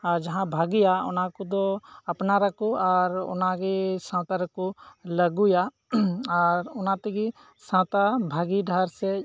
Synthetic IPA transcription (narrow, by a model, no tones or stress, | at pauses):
ɔɾd͡ʒɐɦãbʱaɡɪjaʊ̰nãkud̪oɐpnaɾakuɔɾʊ̰naɡisãːt̪aɾkuləɡuja | ɔɾʊnãt̪ɛɡi | sãt̪abʱaɡiɖʱaɾse